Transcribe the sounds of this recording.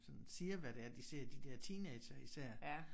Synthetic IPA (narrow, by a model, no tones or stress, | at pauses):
sɒ̽nsiːɐʋæɾ̥e̝æɐd̥ise̝ɐ̰d̥id̥ɛɐ̰t͡sʰiːne̥ːɕɐisæɐ̰